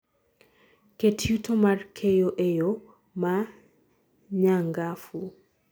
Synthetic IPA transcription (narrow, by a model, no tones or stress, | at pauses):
ketʰutɔmaɾkʰɛjoʔɛjo | ma | ɲaŋɡafu